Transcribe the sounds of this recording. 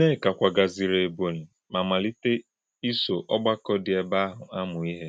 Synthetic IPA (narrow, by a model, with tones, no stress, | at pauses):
ne˦˨ka˨kʷa˨ɡa˨zi˨ɾe˨e˨bo˨ɾ | ma˨ma˨li˦te˦ | i˦so˨ʔɔ˦ɡ͡ba˦kɔ˦dɪ˨ɛ˨ba˦a˦ɦʊ˨a˦mʊ˨i˦ɦe˦